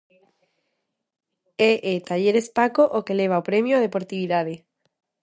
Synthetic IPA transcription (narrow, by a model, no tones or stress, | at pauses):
ɛʔet̪aʎeɾespakoʔokeleβ̞aopɾemjoað̞epoɾt̪iβiðaðɪ